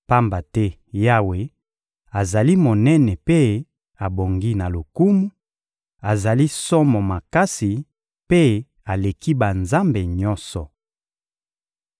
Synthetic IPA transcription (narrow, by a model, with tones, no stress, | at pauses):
pa˦mba˨tɛ˦ | ja˦we˨ | a˨za˨li˦mo˨nɛ˦nɛ˨pe˦ | a˨bo˨ŋɡi˦na˨lo˨ku˦mu˦ | a˨za˨li˦sɔ˦mɔ˨ma˨ka˦si˨ | pe˦ | a˨le˨ki˦ba˨nza˦mbe˨ɲɔ̃˦nsɔ˨